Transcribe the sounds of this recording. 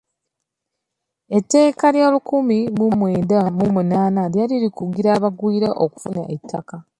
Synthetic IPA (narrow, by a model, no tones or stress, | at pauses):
e̞tːe̞ːkaljaːlukumimumweːdamumunaːnaljaliɾikuɡiɾaːβaɡwiːɾaʔoku̥funa̰ʔetʰːaka